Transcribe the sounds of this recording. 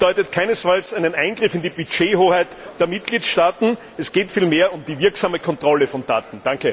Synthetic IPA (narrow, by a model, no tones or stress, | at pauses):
d̥ɔʏtətkʰaɪnəsfalsæɪnənæɪnɡʁɪfɪndibyt͡ʃeːhoːhæɪtd̥eːɐmɪt̚ɡ̥liːtʃtaːtn̩ | ɛsɡ̥eːtfiːlmeːɐʊmdiːvɪɐksaːməkʰɔntʁ̥ɔləfɔnd̥aːtn̩d̥aŋkə